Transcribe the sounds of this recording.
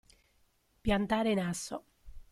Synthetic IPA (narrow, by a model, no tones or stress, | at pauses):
pjant̪aːɾenasːo